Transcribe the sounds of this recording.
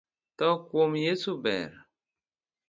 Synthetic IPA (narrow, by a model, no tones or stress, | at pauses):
tɔkwomjesubɛ̰ɾ